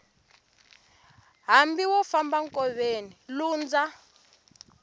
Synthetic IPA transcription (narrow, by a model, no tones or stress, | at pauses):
ɦambiwɔfambaŋkɔβeniluːnd͡za